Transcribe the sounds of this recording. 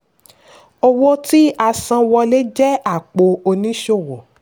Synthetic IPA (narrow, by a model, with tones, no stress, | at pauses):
o˧wo˦ti˦a˧sã˧wɔ˧le˦d͡ʒɛ˦a˦˨k͡po˧o˧nĩ˦ʃo˦˨wɔ˨